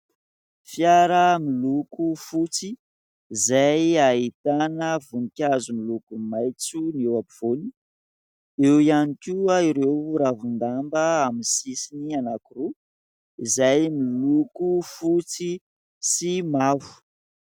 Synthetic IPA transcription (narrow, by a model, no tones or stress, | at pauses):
fjaɾəmilukufut͡siː | zajait̪anəvunikʲazumilukumajt͡sunewapiv̥oni | ewianikʲuaiɾewɾavund̪ambəaminsisinianakiru | izajmilukufut͡si | simavu̥